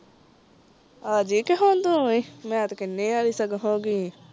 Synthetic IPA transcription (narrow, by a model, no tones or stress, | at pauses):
aːd͡ʒiːkeɦoːnd̪uːimɛ̃ːt̪kɪnːẽːaːɾiːsəɡɦõːɡiː